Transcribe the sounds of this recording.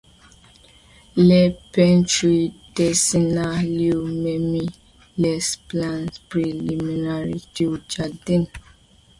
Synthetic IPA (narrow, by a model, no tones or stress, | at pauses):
lɛpɛ̃ntɹid̥ɛsinaliumɛmi | lɛsplãntpɹiliminaɹitud͡ʒadĩn